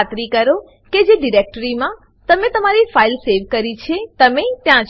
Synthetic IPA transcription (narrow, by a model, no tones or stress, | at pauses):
t̪ɾikəɾo | ked͡ʒeɖiɾek̚ʈəɾimã | t̪əmẽt̪əmaɾifailseʋkəɾit͡ʃʰet̪əmet̪jã